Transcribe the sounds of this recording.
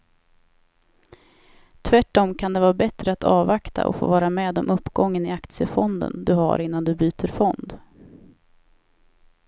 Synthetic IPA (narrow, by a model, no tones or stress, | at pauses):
t̪ʰvæʈːɔmkʰand̪ɛvɑːɾbɛt̪ɾəat̪ʰɑːvakt̪ʰa̰ʔɔ̰fo̰ːvɑːɾamɛːd̪ɔmɵpːɡɔŋːənɪakt̪sɪəfɔnd̪ə̰nd̪ɵha̰ɾɪn̪ːand̪ɵbyːt̪ʰəɾfɔnd̪